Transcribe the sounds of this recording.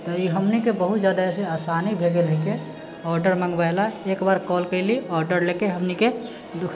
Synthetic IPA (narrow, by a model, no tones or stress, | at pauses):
t̪ɔiɦəmnikebəɦut̪d͡ʒjad̪aɛseasanibʱeɡelɦəke | ɔɾɖəɾmə̃ŋɡbaɪlaekbaɾkɔlkəɪliɔɾɖəɾlekeɦəmnike | d̪ukʰ